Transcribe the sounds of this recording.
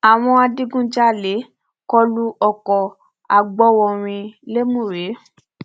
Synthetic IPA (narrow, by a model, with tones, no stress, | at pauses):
a˨w̃ɔ̃˧a˧di˦ɡũ˦d͡ʒa˦˨le˨˦ | kɔ˧lu˧ʔɔ˧˨kɔ˨ | a˨ɡ͡bɔ˧˦wɔ̃˧ɾ̃ĩ˧le˦mũ˦˨ɾe˨˦